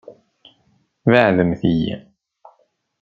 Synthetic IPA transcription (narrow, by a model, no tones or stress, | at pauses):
vaʕðəmθijæ̰